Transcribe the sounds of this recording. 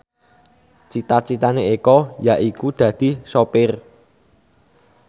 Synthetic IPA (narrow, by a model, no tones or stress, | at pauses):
t͡ʃit̪at͡ʃit̪aneekɔjaʔikud̪̥ä̤d̪̥i̤sopɪr